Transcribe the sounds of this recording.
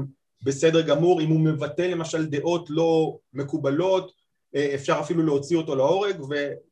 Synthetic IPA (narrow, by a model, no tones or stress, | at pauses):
be̞sede̞ʁɡamuʁimume̞vat̪e̞lːe̞maʃald̪e̞ʔo̞tlo̞me̞kubalo̞t | efʃaʁafiluleot͡sioto̞lao̞ʁeɡve̞